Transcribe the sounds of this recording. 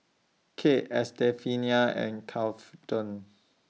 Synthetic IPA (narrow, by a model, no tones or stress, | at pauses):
kʰeʔɛstɛfiniaɛ̰̃nkʰalftɔ̃n